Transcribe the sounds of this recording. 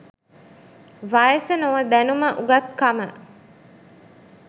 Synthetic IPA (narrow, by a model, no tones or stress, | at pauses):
ʋajəsənoʋəd̪ænuməʔuɡɐt̪̚kamə